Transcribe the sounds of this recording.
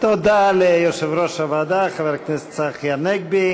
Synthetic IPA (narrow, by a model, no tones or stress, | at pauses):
t̪ɔd̪alɛjɔʃɛvɾɔʃavad̪aχavɛɾknɛst͡saχjaɾnɛɡ̚bi